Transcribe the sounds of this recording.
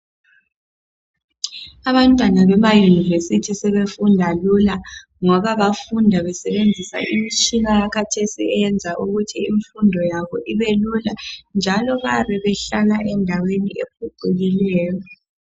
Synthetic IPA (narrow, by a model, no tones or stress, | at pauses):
aβantʼwanaβɛmajunivesitʰisɛβefundʱalula | ŋɔβaβafundʱaβɛsɛβend͡zʱisa̰ʔimit͡ʃʼinajakʰatʰesḭɛɛnd͡zʱaʔuɣutʰiiɱfundʱɔjaβɔʔiβeluland͡ʒʱalɔβariβɛɬalaʔɛndʱaweniʔek̚ʰuǃʱiɣilɛːjɔ